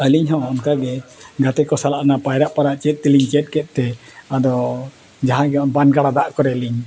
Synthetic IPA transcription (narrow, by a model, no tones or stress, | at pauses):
əliɲɦɔ̃ɔnkaɡɛɡat̪ɛkɔsalaʔnapajɾaʔpaɾaʔt͡ʃɛt̪̚ˀt̪ɛliɲt͡ʃɛt̪̚ˀkɛt̪̚ˀt̪ɛad̪ɔ | d͡ʒaɦãɡɛɔnbanɡaɽad̪aʔkɔɾɛliɲ